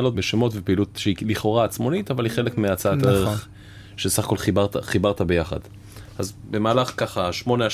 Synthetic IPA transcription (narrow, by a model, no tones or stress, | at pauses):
lo̞tbeʃemo̞tvepeilutʃeiliχo̞ʁaːt͡smo̞nitavalhiχe̞lekmeat͡saateʁeχ | ʃesaχako̞lχibaʁtaχibaʁtabe̞jaχa̰d | azbe̞maːlaχkaχaʃmo̞nea